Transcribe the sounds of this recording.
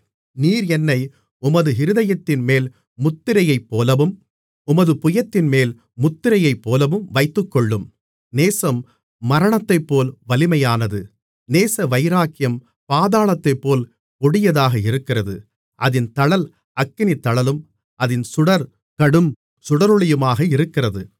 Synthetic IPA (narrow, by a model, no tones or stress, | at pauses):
niːɾɛnːɐɪ | ʊmɐðɯɦɪɾɯðɐjɐt̪ːɪnmeːl | mʊt̪ːɪɾɐjɐɪpːoːlɐʋɯm | ʊmɐðɯpʊjɐt̪ːɪnmeːl | mʊt̪ːɪɾɐjɐɪpːoːlɐʋɯmʋɐɪt̪ːɯkːɔɭːɯm | neːsɐmː | ɐɾɐɳɐt̪ːɐɪpːoːlʋɐlɪmɐjaːnɐðɯ | neːsɐʋɐɪɾaːkɪjɐm | paːðaːɭɐt̪ːɐɪpːoːl | pɔɽɪjɐðaːɣɐɪɾɯkːɪrɐðɯ | ʔɐðɪnt̪ɐɭɐl | ɐkːɪnit̪ːɐɭɐlɯm | ʔɐðɪnsʊɽɐɾ | kɐɽɯm | sʊɽɐɾɯɭɐjɯmaːɣɐɪɾɯkːɪrɐðɯ